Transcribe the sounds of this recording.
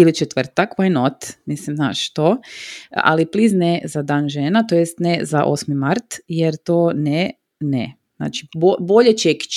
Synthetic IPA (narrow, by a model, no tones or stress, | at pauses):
ilit͡ʃet̪ʋr̩t̪akʋajenot̪mislimzna̰ːʃt̪o | a̰lipliznezad̪aːnʒeːnat̪ojest̪nezaʔo̰smimaɾt̪jeɾt̪oːne | ne | z̥na̰ːt͡ʃi̥boboʎet͡ʃeki̥t͡ʃ